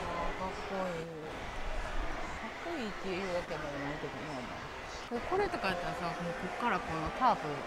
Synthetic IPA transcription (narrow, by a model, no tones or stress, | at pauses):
aɡakːoi | sakːaiːt̪ːejɯːβake̞monaiked̪omama̰ | okoɾet̪okaet̪ːasasonokɯkːaɾakõŋɡakaːpɯ